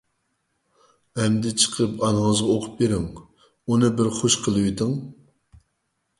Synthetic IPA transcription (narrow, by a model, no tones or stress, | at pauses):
ɛmd̪ɪt͡ʃʰə̥qʰəpɑnəŋəzʁɑoqʰʊp̚beɾɪŋ | unɨbɪɾχoʃqʰəlˠɨwit̪ʰɪŋ